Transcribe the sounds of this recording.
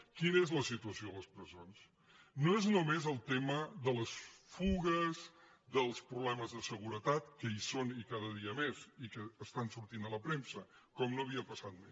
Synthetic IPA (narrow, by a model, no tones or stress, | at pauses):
kinəezləsit̪uəsioləspɾəzons | noeznomezəlˠt̪eməðələsfuɣəz | ðəlˠspɾuβlɛməzðəsəɣuɾət̪at̪kəisonikaðəðiəmezikəːst̪ansuɾt̪inələpɾemsəkɔmnoəβiəpəsat̪̚me